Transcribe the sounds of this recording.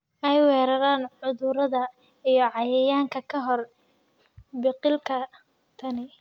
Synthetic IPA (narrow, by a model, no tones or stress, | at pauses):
ʔɛjwɛːɾɐɾaːnʕʊðʊɾɐðɐ | ijɞʕɑjɛjaːŋkʰɐkʰɐɦɔr | bɪqɪlkʰɐ | t̪ʰɐnɪ